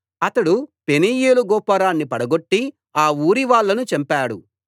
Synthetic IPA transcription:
ɐt̪ɐɽupeniːjeːluɡɔːpɐɾaːnːipɐɽɐɡoʈːi | aːuːɾiʋaːɭːɐnut͡ʃɐmpaːɽu

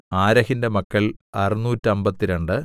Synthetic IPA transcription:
aːɾɐhinde̞mɐkːɐɭɐrinuːtːɨɐmbɐt̪ːiɾeɳɖɨ

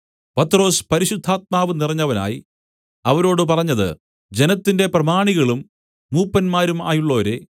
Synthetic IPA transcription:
pɐt̪ːro̞ːspɐɾiɕud̪ʱːaːt̪̚maːʋɨnirɐɲːɐʋɐna̰ːji | ɐʋɐɾo̞ːɽɨp̬ɐrɐɲːɐðɨ̰ | d͡ʑe̞nɐt̪ːinde̞prɐmaːɳiɣɐɭumː | uːpːɐnmaːɾuma̰ːjuɭːo̞ːɾe̞̰

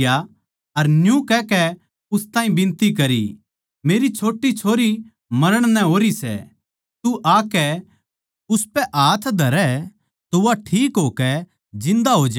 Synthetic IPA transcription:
ja | ɐɾnjũkɛkɛ | ʊst̪ãːĩbɪ̃nt̪ikɐɾḭ | meːɾit͡ʃʰoːʈːit͡ʃʰoːɾi | mɐɾəɽ̃nɛ̃ɦoːɾisɛ̰ | t̪uʔaːkɛ | ʊspɛʔaːt̪ʰd̪ʱɐɾɛ | t̪oʋaʈʰiːkɦoːkɛ | d͡ʒɪ̃nd̪aɦoːd͡ʒ

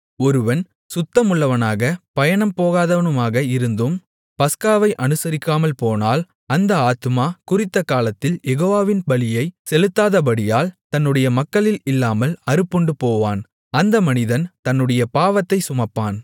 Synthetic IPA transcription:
ɔɾɯʋɐn | sʊt̪ːɐmʊɭːɐʋɐnaːɣɐpɐjɐɳɐmpoːɣaːðɐʋɐnɯmaːɣɐɪɾɯnd̪ɯm | pɐskaːʋɐɪʔɐnɯsɐɾɪkːaːmɐlpoːnaːl | ɐnd̪ɐaːt̪ɯmaːkʊrɪt̪ːɐkaːlɐt̪ːɪljɛɣoːʋaːʋɪnbɐɭɪjɐɪsɛlɯt̪ːaːðɐpɐɽɪjaːlt̪ɐnːɯɽɐjɐmɐkːɐɭɪlɪlːaːmɐlɐɾɯpːɔɳɖɯpoːʋaːn | ɐnd̪ɐmɐnɪðɐnt̪ɐnːɯɽɐjɐpaːʋɐt̪ːɐɪsʊmɐpːaːn

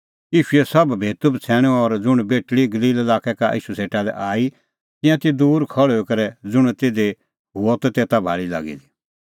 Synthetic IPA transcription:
jiːʃʊɛsɐbbʱeːt̪ubt͡sʰɛːɽ̃ɔ̃ɔɾd͡zʊɽ̃beːʈɭiɡɐliːlɛlaːkɛkaʔḭːʃuseːʈalɛ̰ʔaːi | t̪ɪ̃jãt̪id̪uːɾkʰɔɭekɐɾɛd͡zʊɽ̃t̪eːd̪e | ɦuɔt̪ɔt̪eːt̪abʱa̰ːɭila̰ːɡḭd̪i

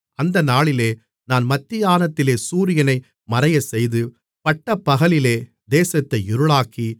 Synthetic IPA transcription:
ɐnd̪ɐnaːɭɪleː | naːnmɐt̪ːɪjaːnɐt̪ːɪleːsuːɾɪjɐnɐɪ | mɐɾɐjɐsɛjðɯ | pɐʈːɐpːɐɣɐlɪleː | d̪eːsɐt̪ːɐɪɪɾɯɭaːki

